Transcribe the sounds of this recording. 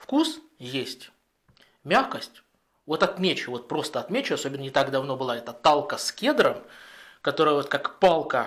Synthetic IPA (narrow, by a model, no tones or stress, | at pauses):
fkus | jesʲtʲ | mʲaxkəsʲtʲ | vo̞t̪ɐt̪mʲet͡ɕʊvo̞t̪̚pɾo̞st̪əɐt̪mʲet͡ɕʊɐsobʲɪnːənʲɪt̪aɡd̪ɐvno̞bɨlˠaɛt̪ət̪alˠkəskʲed̪ɾəmkɐt̪o̞ɾəjəvo̞t̪kakpalˠkə